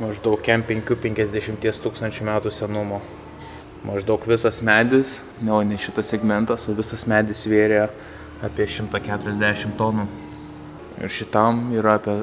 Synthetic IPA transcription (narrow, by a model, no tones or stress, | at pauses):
mɐʒd̪ɐʊkːʲɛmpʲɛŋʲkʲuːpʲɛŋʲkʲɛzʲd̪ʲɛʃʲɪmʲt̪ʲiɛst̪uːkst̪ɐnʲt͡ʃʲumʲæːt̪usʲɛnʊmoː | mɐʒd̪ɐʊkʋʲɪsɐsmʲæːd̪ʲɪs | nʲɛoːnʲɛʃʲɪt̪ɐsʲsʲɛɡmʲɛnt̪ɐsoːʋʲɪsɐsmʲæːd̪ʲɪsʋʲeːɾʲe | ɑpʲiɛʃʲɪmt̪ɑkʲæːt̪ʊɾʲɛzʲd̪ʲæːʃʲɪmt̪oːnuː | ɪ̰ɾʃʲɪt̪ɐmiːɾɐɑːpʲiɛ